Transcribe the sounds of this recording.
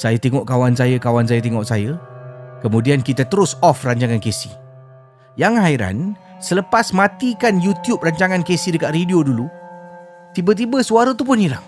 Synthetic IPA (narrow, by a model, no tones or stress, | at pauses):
sajət̪eŋɔʔkawansajəkawansajət̪ɛŋɔʔsajəkəmũdiankit̪at̪əɾʊsɔfraɲt͡ʃaŋankesi̥ | jaŋɦaiɾa̰n | sələpasmãt̪ikanjut̪jup̚raɲt͡ʃaŋãnkesidəkat̪̚ridiodulu | t̪ibət̪̬ibəsuaɾət̪upʊnilah